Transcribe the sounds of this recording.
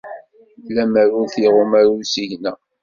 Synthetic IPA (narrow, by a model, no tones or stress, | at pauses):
læməɾuθiʁʊmaɾusiʝnæ